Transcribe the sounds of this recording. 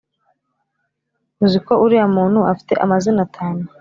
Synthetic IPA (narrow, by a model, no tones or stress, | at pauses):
muzikoʔuɾiamuːn̥huafi̥te̞̰ʔamazinatʰaːnu